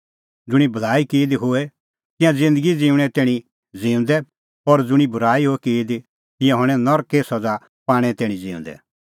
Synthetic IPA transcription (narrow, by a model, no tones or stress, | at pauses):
d͡zʊɽ̃ibʱɐlaːikeːd̪iɦoɛ | t̪ɪ̃jãd͡zɪ̃nd̪əɡid͡zĩːũɽ̃ɛ̃t̪ɛːɽ̃i | d͡zĩːʊ̃nd̪ɛ | ɔɾd͡zʊɽ̃ibʱʊɾaːiɦoɛkeːd̪i | t̪ɪ̃jãɦɔɽ̃ɛ̃nɔɾkeːsɔd͡za | paːɽ̃ɛ̃t̪ɛːɽ̃ĩd͡ziːʊ̰̃nd̪ɛ̰